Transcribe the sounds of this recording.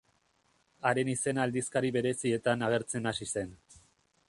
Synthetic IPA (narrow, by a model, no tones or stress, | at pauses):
aɾe̞nise̞naːld̪iskaɾiβe̞ɾe̞sie̞t̪anaɣ̞e̞ɾt͡se̞nasise̞n